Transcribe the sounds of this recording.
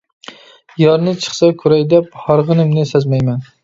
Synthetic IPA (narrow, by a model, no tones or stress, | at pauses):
jɒɾnɪt͡ʃʰɨ̥χsakʰʊɾajd̪aphɒɾʁɨnɪmnɪsazmajman